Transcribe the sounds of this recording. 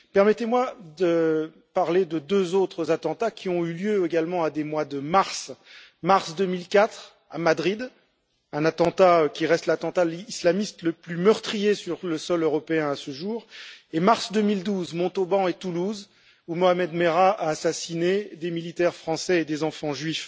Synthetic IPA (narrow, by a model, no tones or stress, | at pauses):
pɛʁmɛt̪emwad̪ə | paʁled̪əd̪øzot̪χəzat̪ɑ̃t̪akʲʰiɔ̃yljøeɡalmɑ̃ad̪emwad̪əmaʁsmaʁsd̪ømilkat̪χ | amad̪ʁid̪ | ɛ̃nat̪ɑ̃t̪akʲiʁɛst̪lat̪ɑ̃t̪aislamist̪ləplymœʁt̪χijesyʁləsɔløʁɔpeɛ̃asəʒuːʁemaʁsd̪ømild̪uzmɔ̃t̪obɑ̃et̪uluz | umɔamɛd̪meʁaʔaːsasined̪emilit̪ɛʁfχɑ̃sɛed̪ezɑ̃fɑ̃ʒɥif